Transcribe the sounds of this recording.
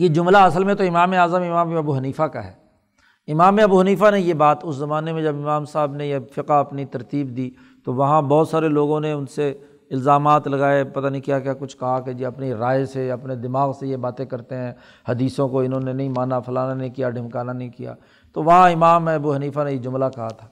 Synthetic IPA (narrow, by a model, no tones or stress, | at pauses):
jed͡ʒʊmlaɐsəlmẽt̪oɪmaːmeaːzəmɪmaːmẽɐbuɦɐniːfaka̰ɦɛ̰ː | ɪmaːmẽɐbuːɦɐniːfanẽjebaːt̪ʊszɐmaːnemẽd͡ʒɐbɪmaːmsaːbnejefɪqaɐpnit̪ɐɾt̪iːbd̪iː | t̪oʋɐɦãbɔːt̪saːɾeloːɡõneʊnse | ɪlzaːmaːt̪lɐɡaːepɐt̪anĩkijakakʊt͡ʃʰkɐɦaked͡ʒiɐpniɾaːeseɐpned̪ɪmaːɣsejebaːt̪ẽkɐɾt̪eɦɛ̃ː | hɐd̪iːsõkoɪnɦõnenɐɦĩmaːnafɐlaːnanɐɦĩkijaɖʱɪmkaːnanɐɦĩkija̰ː | t̪oʋɐɦãɪmaːmẽɐbuɦɐniːfanẽjed͡ʒʊmlakɐɦat̪ʰḁː